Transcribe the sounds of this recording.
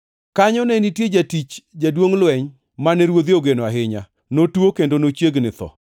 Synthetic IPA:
kaɲɔnɛnitjed͡ʒatit͡ʃd͡ʒadwoŋlwɛɲ | manɛɾwod̪joɡenoaɦɪɲa | notwokendonot͡ʃjeɡnɪt̪ɔ̰

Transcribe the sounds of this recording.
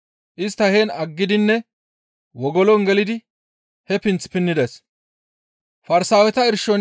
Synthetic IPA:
ʔɪst̪ːɐheːnɐɡːɪd̪ɪnːɛ | wɔɡɔlɔnɡɛlɪd̪ɪ | hɛpɪnt͡spɪnːɪd̪ɛs | fɐɾsaːwɛt̪ɐɪɾʃɔn

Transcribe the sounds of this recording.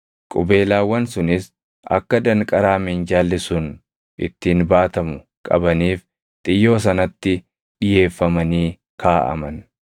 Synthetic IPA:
kʼʊbe̞ːlaːwːɐnsʊnɪs | ʔɐ̰kːɐd̪ɐŋkʼɐɾaːmɛnd͡ʒaːlːɪsʊn | ʔɪt̪ːɪːnbaːt̪ɐmʊ | kʼɐ̰bɐniːf | t̪ʼɪjːo̞ːs̬ɐnɐt̪ːɪ | ᶑɪje̞ːfːɐmɐniː | kaːʔɐ̰mɐn

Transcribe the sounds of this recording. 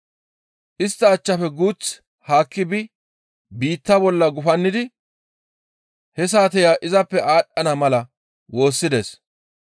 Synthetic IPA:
ʔɪst̪ːɐːt͡ʃːɐfɛɡuːt͡s | haːkːɪbɪ | biːt̪ːɐbɔlːɐɡʊfɐnːɪd̪ɪ | hɛs̬aːt̪̬ɛjaːʔɪzɐpːɛʔaːɗɐnɐmɐlɐ | wo̞ːsːɪd̪es

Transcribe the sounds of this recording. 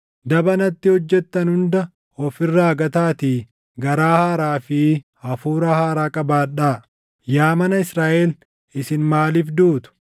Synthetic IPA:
d̪ɐbɐnɐt̪ːɪhɔd͡ʒːɛt̪ːɐnhʊnd̪ɐ | ɔfɪrːaːɡɐt̪aːt̪i | ɡɐɾaːhaːɾaːfɪ | ɐfuːɾɐhaːɾaːkʼɐbaːᶑaː | jaːmɐnɐɪsɾaːʔɛl | ɪsɪnmaːliːfd̪uːt̪ʊ̥

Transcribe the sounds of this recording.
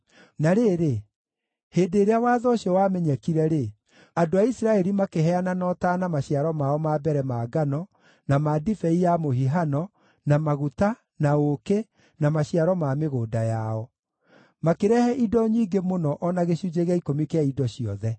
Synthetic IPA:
naɾeːɾe | heːndeːɾeawaːðɔɕiɔwaːmɛɲɛkiɾɛɾe | adoaisiɾaɛɾimakeɦɛananɔtaːnamaɕjaɾɔmaɔmaːbɛɾɛmaɡanɔ | namadifɛijamohiɦanɔ | namaɣuta | naoke | namaɕiaɾɔmameɣoːdajaɔ | makeɾɛhɛʔidɔɲiːɡemonɔʔɔnaɣeɕud͡ʑeɣaikomikeaidɔɕiɔ̰ðɛ

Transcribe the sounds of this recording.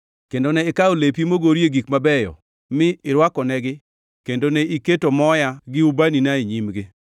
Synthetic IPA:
kendonɛɪkaolepimoɡoɾjeɡikmabɛjɔ̰ | mɪɪɾwakɔnɛɡɪ | kendonɛiketomɔjaɡɪubaninaiɲimɡɪ

